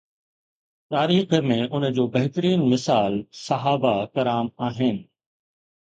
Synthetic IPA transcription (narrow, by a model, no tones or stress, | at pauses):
t̪aːɾiːxəmẽʔʊnə̆d͡ʑoːbɐɦɪt̪əɾiːnmɪsaːlsɐɦaːbakɐɾaːmaːɦɪnɪ̆